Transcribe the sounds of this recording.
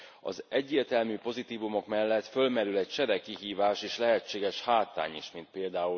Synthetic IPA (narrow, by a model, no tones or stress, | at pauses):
ɒ̰zɛɟːeːrt̪ɛlmyːpo̞zit̪iːvumo̞kmɛlːɛt̪fø̞lmɛɾylɛc̚t͡ʃɛɾɛkːiɦiːvaːʃeːʃlɛɦɛt͡ʃːeːɡɛʃhaːt̪ːa̰ːɲiʃmint̪̚peːld̪aːu